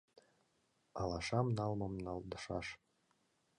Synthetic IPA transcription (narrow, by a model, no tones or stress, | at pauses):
alaʂamnalmamnald̪ɨʂa̰ʂ